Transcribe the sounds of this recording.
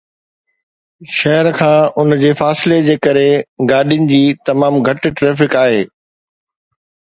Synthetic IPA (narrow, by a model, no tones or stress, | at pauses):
ʃɐɦəɾkʰãːʊnd͡ʑeːfaːsɪled͡ʑeːkɐɾeɡaːɗijʊnɪ̆d͡ʑiːt̪ɐmaːmɡʱɐʈʈɾeːfɪkaːɦeː